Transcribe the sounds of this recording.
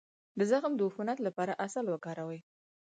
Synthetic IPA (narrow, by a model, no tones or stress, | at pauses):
d̪əzaxmd̪əʊfunat̪lapɑɾaʔasalwəkɑɾawəj